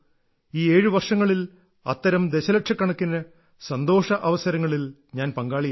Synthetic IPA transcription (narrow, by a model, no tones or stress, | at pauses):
iːe̞ːɻɨʋɐrʂɐŋːɐɭil | ɐ̰t̪ːɐɾɐmd̪e̞ɕɐlɐʈʂɐkːɐɳɐkːinːɐ | sɐnd̪o̞ːʂɐʔɐʋɐsɐɾɐŋːɐɭil | ɲaːnpɐŋɡaːɭij